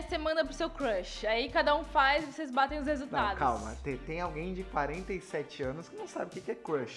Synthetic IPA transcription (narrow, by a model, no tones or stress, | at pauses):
semɐ̃nd̪ɐpɾʊsewkɾɐʃaikad̪ɐũfajzvosezbat̪ẽj̃ʊs̬hezut̪ad̪kawmɐ̰t̪ẽt̪ẽj̃awɡẽj̃d͡ʒɪkwaɾẽnt̪ɐisɛt͡ʃɪɐ̃nʊskɪnɐ̃w̃sa̰bɪʊkɪkɪɛkɾɐʃ